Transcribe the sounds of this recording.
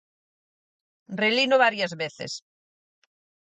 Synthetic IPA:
relinoβ̞aɾjazβeθḛs

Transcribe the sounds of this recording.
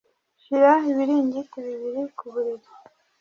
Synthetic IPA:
ʃiɾaiβiɾiːɲɟitiβiβiɾikuβuɾiβi

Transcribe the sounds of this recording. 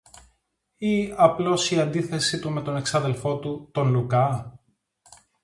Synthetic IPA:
iɐplo̞siɐnd̪iθe̞sit̪ume̞t̪o̞ne̞ksɐðe̞lfo̞t̪ut̪o̞nlukɐ

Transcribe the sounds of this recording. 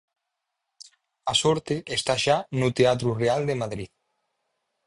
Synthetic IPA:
asɔɾt̪eest̪aʃanut̪eat̪ɾureald̪emaðɾið

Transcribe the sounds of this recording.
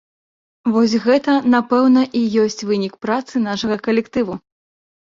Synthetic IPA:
vɔs̬ʲɣɛt̪ɐnapɛwnɐʔijɔsʲt͡sʲvɨnʲikpɾat̪sɨnaʂɐɣɐkɐlʲɛkt̪ɨvu

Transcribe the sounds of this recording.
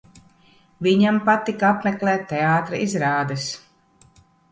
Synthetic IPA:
viɲampat̪ikaapmɛklʲˠɛːt̪ːeaːt̪ɾaizɾaːd̪ɛs

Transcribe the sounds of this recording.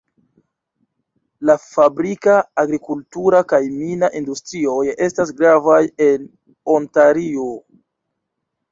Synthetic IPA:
lafabɾikaːɡɾikultuɾakajminaʔindustɾio̞je̞stas̬ɡɾavajen | ontaɾio

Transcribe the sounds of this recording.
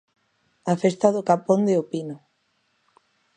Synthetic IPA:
afest̪aðokapond̪eopino

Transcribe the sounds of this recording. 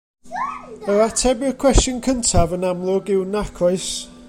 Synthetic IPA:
əɾatʰɛbɪrkʰw̥ɛsənkʰəntʰavənamlˠʊɡɪwnakʰɔɨs

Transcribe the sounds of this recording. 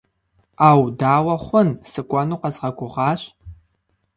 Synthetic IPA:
aːwdaːwɐχʷʊnsɨkʷʼɐnuːqɐzʁɐɡʷʊʁɑːɕ

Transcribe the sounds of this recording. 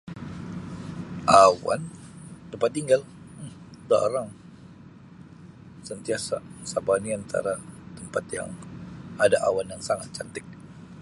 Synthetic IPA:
ʔawa̰nt̪əmpat̪̚ːiŋɡal | da̰ɾaŋ | sənt̪iasasabaniant̪ʰa̰ɾat̪əmpat̪ja̰ŋadaʔawanjaŋsaŋat̪̚t͡ʃant̪ɪk̚

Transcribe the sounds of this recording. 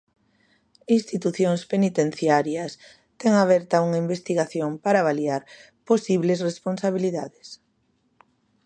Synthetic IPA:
inst̪it̪uθjoŋspenit̪ẽn̟θjaɾjɐs | t̪ɛŋaβɛɾt̪auŋaimbest̪iɣaθjoŋpaɾaβaliaɾ | posiβlesresponsaβiliðaðɪs

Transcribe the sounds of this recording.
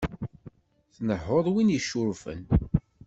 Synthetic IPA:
θnəħʊðˤwinjəʃːʊɾfə̰n

